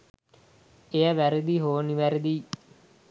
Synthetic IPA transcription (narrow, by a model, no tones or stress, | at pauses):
eəʋæɾəd̪iɦoːniʋæɾəd̪i